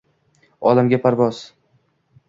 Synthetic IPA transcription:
ɒlamɡʲapʰaɾvɒz̥

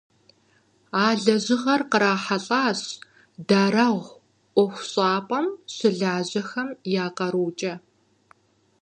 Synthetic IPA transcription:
aːɮɐʑɪʁɐrqəɾaːħaɬʼaːɕ | daːrɐʁʷ | ʔʷɔxʷɕʼaːpʼɐmɕɪɮaːʑɐxɐmjaːqɐɾuːt͡ʃʼɐ

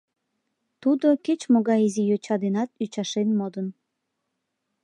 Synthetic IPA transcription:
t̪ud̪oket͡ɕmoɣɑjizijøt͡ɕɑd̪enɑt̪̚yt͡ɕɑʃenmod̪ən

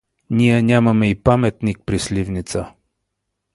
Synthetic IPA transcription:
niɛnʲamɐmɛipamɛt̪nik̚pɾislʲivnit̪sə

